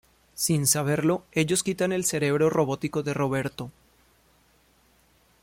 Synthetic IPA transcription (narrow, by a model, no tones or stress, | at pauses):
sinsaβ̞e̞ɾlo̞e̞ʝo̞skit̪ane̞lse̞ɾe̞βɾo̞ro̞βo̞t̪iko̞ðe̞ro̞β̞e̞ɾt̪o̞